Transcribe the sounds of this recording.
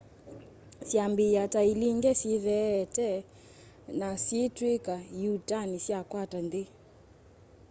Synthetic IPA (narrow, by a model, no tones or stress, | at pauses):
siambiatailiŋɡɛsiðɛːtɛ | nasitwikajutanisiakwatandi